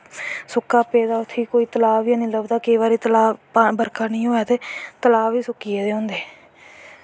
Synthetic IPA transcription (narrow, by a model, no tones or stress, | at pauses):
sʊkːaːpeːd̪aːʊt̪ʰːiːkoːiːt̪əlaːʋiãːnĩːləbd̪aːkeːbaːɾiːt̪əlaːbəɾkaːnĩːɦoːjaːt̪eːt̪əlaːiːsʊkːiːeːd̪eːɦõːnd̪eː